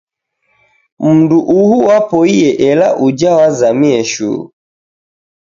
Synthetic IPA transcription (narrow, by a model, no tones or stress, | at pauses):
m̩nduʔuhuwapɔijɛʔɛla̰ʔud͡ʒawazamiɛʃṵːɾu